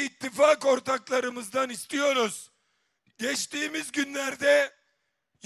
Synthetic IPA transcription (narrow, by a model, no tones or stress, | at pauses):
it̪ʰːifaːko̞ɾt̪ʰaklˠaɾɯmɯzd̪anist̪ʰijo̞ɾuz̥ | ɟɛt͡ʃt̪ʰiːmizɟynlʲæɾd̪ɛ | j